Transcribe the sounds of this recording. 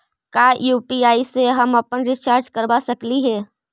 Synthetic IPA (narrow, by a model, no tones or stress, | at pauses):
kaːjuːpiaːiseɦɐmɐpənɾɪt͡ʃaːɾt͡ʃkəɾbasəkliɦɛː